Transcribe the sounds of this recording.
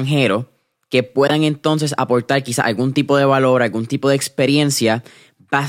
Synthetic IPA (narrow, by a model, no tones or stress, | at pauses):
ŋɦe̞ɾo̞ | ke̞pwe̞ðaŋe̞nt̪o̞ns̬e̞sa̰po̞ɾt̪aɾkisaʔalɡunt̪ipo̞ðe̞βalo̞ɾalɡunt̪ipo̞ðekspe̞ɾje̞nsja | pa